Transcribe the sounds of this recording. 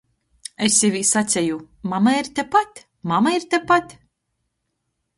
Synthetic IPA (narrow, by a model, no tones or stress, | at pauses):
esʲivʲisat̪sʲɛju | mamaiɾt̪ʲepat̪ʲ | mamaiɾt̪ʲepat̪ʲ